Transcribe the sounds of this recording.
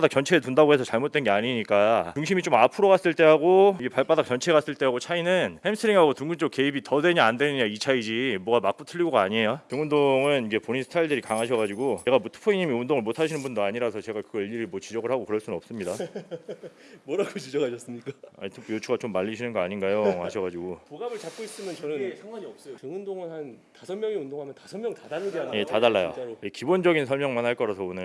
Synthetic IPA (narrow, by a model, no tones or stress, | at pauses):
dak̚t͡ɕ͈ʌnt͡ɕʰe̞etundaɡoɦe̞sʰʌt͡ɕaɭmot͈we̞nɡe̞aɲiɲik͈at͡ɕuŋɕʰimit͡ɕomapʰɯɾoɡas͈ɯɭt͈e̞ɦaɡoiɡepaɭp͈adak̚t͡ɕʌnt͡ɕʰe̞kas͈ɯɭt͈e̞ɦaɡot͡ɕʰainɯnhemsʰɯɾiŋɦaɡotuŋɡunt͡ɕ͈ok̚ke̞ibitʌdwe̞ɲaandwe̞nɯɲait͡ɕʰaid͡ʑimwʌɡamak͈otʰɯʎːiɡoɡaaɲie̞jotuŋundoŋɯniɡe̞poɲinsʰtʰaiɭdɯɾikaŋɦaɕʰʌɣad͡ʑiɡot͡ɕe̞ɡabutʰɯ̥pʰoiɲimiundoŋɯɭmotʰaɕʰinɯnbundoaɲiɾasʰʌt͡ɕe̞ɡakɯɡʌiʎːiɾimwʌt͡ɕid͡ʑʌɡɯɭhaɡokɯɾʌɭs͈unɯnʌps͈ɯmɲida | mwʌɾaɡot͡ɕid͡ʑʌkʰaɕʰʌs͈ɯmɲik͈aa̰itʰepʰujot͡ɕʰuɡat͡ɕomːaʎːiɕʰinɯnɡʌaɲinɡajohaɕʰʌɡad͡ʑiɡopoɡabɯɭt͡ɕap̚k͈ois͈ɯmjʌnt͡ɕʌnɯnsʰaŋɡwaɲiʌp̚s͈ʌjokɯŋundoŋɯnhantasʰʌnmjʌŋiundoŋɦamjʌntasʰʌnmjʌŋtadaɾɯɡeanje̞tadaɭːajo̰ojekibond͡ʑʌɡinsʰʌɭmjʌŋmanhaɭk͈ʌɾasʰʌonɯ